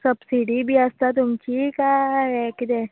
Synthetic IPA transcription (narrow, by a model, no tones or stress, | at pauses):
sɐbsiɽibʱiast̪at̪̬ʊmt͡ʃikaɦɛkɪd̪e